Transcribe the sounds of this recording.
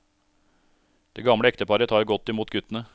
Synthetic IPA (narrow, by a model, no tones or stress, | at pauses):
d̪̥eːɡɑmɽəɛkt̪əpɑɾət̪ʰɑːɾɡɔt̪ːɪmuːt̪ɡʉt̪n̩ə